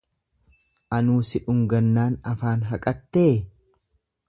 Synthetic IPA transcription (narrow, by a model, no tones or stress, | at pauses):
ʔɐnuːsɪᶑʊŋɡɐnːaːnɐfaːnɦɐkʼɐt̪ːeː